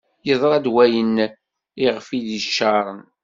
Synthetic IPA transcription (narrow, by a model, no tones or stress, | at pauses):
jəðˤɾˤɑd̪wæjən | iʁfiðiʃːɑɾˤən